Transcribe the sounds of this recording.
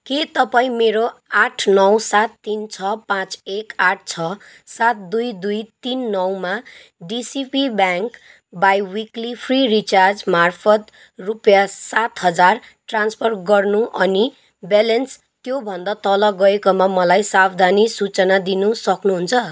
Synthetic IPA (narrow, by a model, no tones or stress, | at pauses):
ket̪ʌpaĩmeɾoaʈʰnʌwsat̪ːint͡sʰʌpãt͡sekaʈʰt͡sʰʌ | sat̪̚d̪ujd̪ujt̪inːʌwma | ɖisipibjaŋk | bajwiklipʰririt͡sard͡zmarpʰʌt̪ | rupjasat̪ɦʌd͡zar | ʈrãnspʰʌrɡʌrnuʔʌni | belens | t̪jobʱʌnd̪at̪ʌlʌɡʌekomamʌlajsabd̪ʱanisut͡sʌnad̪inusʌknuɦunt͡sʰʌ